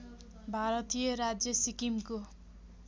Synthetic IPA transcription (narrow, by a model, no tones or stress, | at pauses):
bʱaɾʌt̪ijʌɾad͡zjʌsikimko